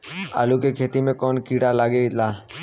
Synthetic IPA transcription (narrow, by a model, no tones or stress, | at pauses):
a̰ːlukekʰeːt̪imẽkɔːnkiːɽalaːɡelaː